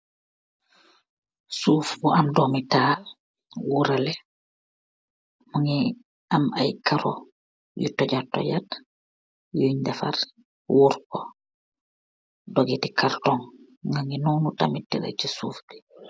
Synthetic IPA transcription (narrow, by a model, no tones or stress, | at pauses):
suːfbuʔandɔmitaː | wuɾalɛ | muŋi | amajkaɾɔ̰ | jutɔd͡ʒatːɔ̰ɟat | juɲdafa̰ɾ | wuɾkɔ | dɔɡitikaɾtɔŋ | ŋɡaŋinunutamitːiɾa̰t͡ʃisuːfdi